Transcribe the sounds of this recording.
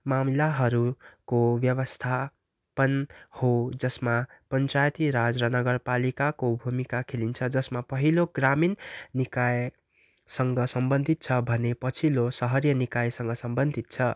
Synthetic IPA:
mamlaɦʌɾukobjʌβʌst̪ʰa | pʌnhod͡zʌsmapʌnt͡sajt̪iɾad͡zɾʌnʌɡʌrpalikakobʱumikakʰelint͡sʰʌd͡zʌsmapʌɦiloɡraminnːikaj | sʌŋɡʌsʌmbʌnd̪ʱit̪̚t͡sʰʌbʱʌnepʌt͡sʰilosʌɦʌrjʌnikajsʌŋɡʌsʌmbʌnd̪ʱit̪̚t͡sʰʌ

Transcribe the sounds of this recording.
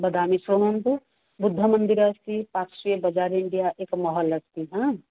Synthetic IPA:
bəd̪amisɾonont̪u | bud̪ʱːəmənd̪iɾəst̪ipaksiebəd͡ʒaɾiɳɖijaʔekmɔɦələst̪iɦã

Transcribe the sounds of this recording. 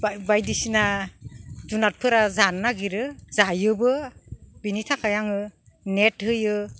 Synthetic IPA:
babajdisina | zunat̚pʰɯɾazanːaɡiɾɯzajɯbɯbinitʰakʰajaŋɯ | nethɯjɯ

